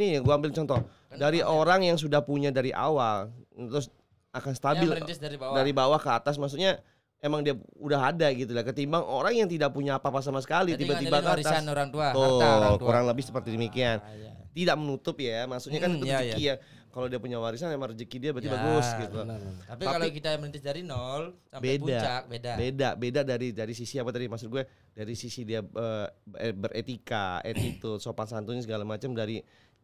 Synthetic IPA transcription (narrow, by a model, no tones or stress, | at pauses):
niaɡuaambɪlt͡ʃɔnt̪ɔ | daɾiʔoɾaŋjaŋs̬udahpuɲadaɾiʔa̰walt̪ɾʊs | akansə̥t̪abɪlidaɾibawahkəat̪as̬mas̬ut̚ɲa | emaŋdiaudaɦadaɡit̪ujakət̪imbaŋoɾaŋjaŋt̪idaʔ̚puɲaːpapas̬amas̬ə̥kalit̪ibat̪ibakəaoɾaŋt̪uat̪ouɾaŋləbɪhsə̥pərt̪idəmikiant̪idaʔmənut̪ʊp̚jajamasuɲakanit̪d͡ʒəkija | kalowdiapuɲawaɾisanamaɾd͡ʒəkidiabət̪ibaɡʊsɡit̪ut̪apikalokit̪amənint̪ɪsdaɾinɔlsambepudat͡ʃak̚bedabedabedadaɾidaɾis̬isiapat̪adimaksʊt̪̚ɡuɛ | daɾisisidiaəːbərʔet̪ika̰ḛt̪it̪usopaŋsant̪uɲasəɡalamat͡ʃamdaɾi